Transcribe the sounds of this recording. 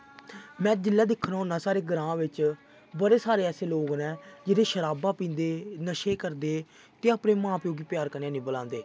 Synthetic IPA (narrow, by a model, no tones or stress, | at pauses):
mɛ̃ːd͡ʒɪlːaːd̪ɪkʰːnaːnãːsaːɾeːɡəɾãːʋɪt͡ʃ | bəɾeːsaːɾeːɛːseːloːɡnɛ̃ːd͡ʒɪɾeːʃəɾaːbãːpĩːnd̪eːnəʃeːkəɾd̪eː | t̪eːaːpneːmãːpjoːɡiːpjaːɾkənjãːnĩːbəlãːnd̪eː